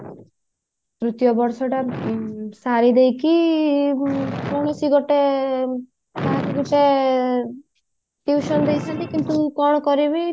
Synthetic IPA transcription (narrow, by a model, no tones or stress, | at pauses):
kɾut̪jɔbɔɾsɔʈa | saɾid̪ejki | kɔɽ̃ɔsiɡɔʈe | t̪aɦãkeɡɔʈe | t̪iwʃɔnd̪ejsʰant̪ikint̪ukɔɳ̃ɔkɔɾibi